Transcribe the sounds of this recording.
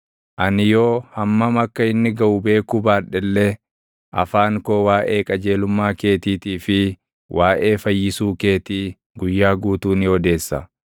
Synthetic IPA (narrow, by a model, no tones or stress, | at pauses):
ʔɐnɪjo̞ːhɐmːɐmɐkːɐɪnːɪɡɐʔʊbe̞ːkubaːᶑɛlːɛ | ʔɐ̰faːŋkoːwaːʔe̞ːkʼɐd͡ʒe̞ːlʊmːaːke̞ːt̪iːt̪iːfɪ | wʔaːʔe̞ːfɐjːɪsuːke̞ːt̪iː | ɡʊjːaːɡuːt̪uːnɪhɔd̪e̞ːsːɐ̰